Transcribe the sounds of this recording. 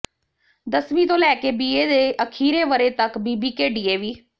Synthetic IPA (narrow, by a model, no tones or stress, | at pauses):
d̪əsmĩːt̪õːlɛːkeːbiːeːd̪eːʔəkʰiːɾeːʋəɾeːt̪əkbiːbiːkeːɖiːeːʋiː